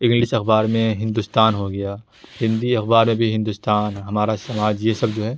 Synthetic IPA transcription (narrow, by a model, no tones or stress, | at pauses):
ɪ̃ŋɡlɪʃɐxbaːɾmẽɦɪ̃nd̪ust̪aːnɦoɡɐjaː | hɪ̃nd̪iɐxbaːɾmẽbʱiɦɪ̃nd̪ʊst̪aːnɦɐmaːɾasɐmaːd͡ʒjesɐbd͡ʒoːɦɛː